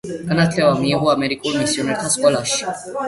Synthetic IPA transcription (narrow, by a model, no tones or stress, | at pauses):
ɡ̥anat̪ʰlɛvamiːʁuamɛɾikʼulˠmisiɔnɛɾt̪ʰaskʼɔlaʃi̥